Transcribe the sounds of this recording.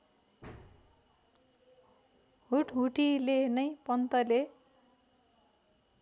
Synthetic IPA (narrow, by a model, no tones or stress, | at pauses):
ɦuʈɦuʈilenʌjpʌnt̪ʌle